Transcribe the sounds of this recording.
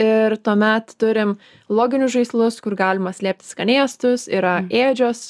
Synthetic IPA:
ɪɾt̪uɔmʲɛt̪t̪ʊɾʲɪm | lˠoːɡʲɪnʲʊsʒɐɪslˠʊskʊɾɡɑːlʲɪmɐsʲlʲeːp̚ʲt̪ʲɪ̥skɐnʲeːst̪ʊsiːɾɐeːd͡ʒʲoːs

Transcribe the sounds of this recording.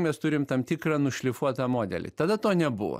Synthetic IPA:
mʲɛst̪ʊɾʲɪmt̪ɐmt̪ʲikrɑnʊʃʲlʲɪfuɔt̪ɐmoːd̪ʲɛ̰lʲɪ̰t̪ɐd̪ɐt̪oːnʲɛbʊ̰ʋo̰

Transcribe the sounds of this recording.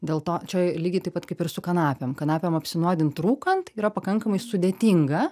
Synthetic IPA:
d̪ʲeːlˠt̪oːt͡ʃʲɛjlʲiːɡʲɪt̪ɐɪpɐtkɐɪpɪɾsʊkɐnɑːpʲɛmkɐnɑːpʲɛmɐpʲsʲɪnuɔd̪ʲɪnt̪ɾuːkɐnt̪iːɾɐpɐkɐŋkɐmɐɪsʊd̪ʲeːt̪ʲɪŋɡɐ

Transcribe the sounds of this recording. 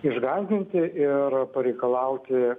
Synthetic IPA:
ɪʒɡɑɪd̪ʲɪnʲt̪ʲɪɪrpɐɾʲɛɪkɐlˠɐʊt̪ʲɪ

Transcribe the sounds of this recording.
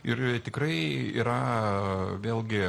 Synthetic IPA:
ɪrt̪ʲɪkrɐɪḭːɾɐ | ʋʲeːlʲˠɡʲɪ

